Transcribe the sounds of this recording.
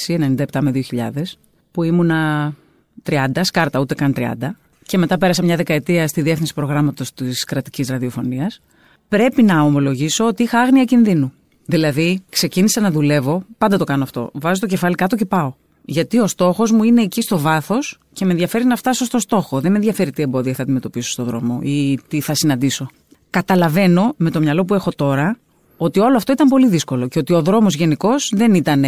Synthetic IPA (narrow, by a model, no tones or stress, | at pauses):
sienenind̪ɐept̪ɐmeðioçiʎɐ̰ðe̞s | puimunɐ | t̪ɾiɐnd̪ɐskɐɾt̪ɐut̪e̞kɐnt̪ɾiɐ̰nd̪ɐ | ce̞me̞t̪ɐpe̞ɾɐs̬ɐmɲɐðe̞kɐet̪iɐst̪iðie̞fθinsi̥pɾo̞ɣɾɐmɐt̪o̞st̪iskɾɐt̪i̥cizɾɐðio̞fo̞niɐs | pɾe̞pinɐo̞mo̞lo̞ʝisoot̪iixɐɐɣniɐcinðinu | ðilɐðikse̞cinisɐnɐðule̞vo̞pɐnd̪ɐt̪o̞kɐnoɐft̪o̞̰vɐzot̪oce̞fɐlikɐt̪oce̞pɐo̞ | ʝɐt̪io̞st̪o̞xo̞zmuine̞ːcist̪o̞vɐθo̞s | ce̞me̞nðʝɐfe̞ɾinɐft̪ɐso̞st̪o̞st̪o̞xo̞ðemenðʝɐfe̞ɾit̪ie̞mbo̞ðiɐθɐːd̪ime̞t̪o̞piso̥st̪o̞ðɾo̞mo̞̰it̪iθɐsinɐnd̪iso̞ | kɐt̪ɐlɐve̞no̞me̞t̪omɲɐlo̞p̬ue̞xo̞t̪o̞ɾɐ | o̞t̪io̞loɐft̪o̞it̪ɐmpo̞liðisko̞lo̞ce̞o̞t̪io̞ðɾo̞mo̞zʝe̞niko̞z̥ðe̞nit̪ɐn